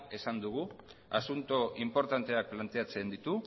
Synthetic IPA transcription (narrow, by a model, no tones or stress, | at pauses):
e̞sand̪uɣ̞uasunt̪oʔimpo̞ɾt̪ant̪e̞ak̚plant̪e̞at͡se̞nd̪it̪u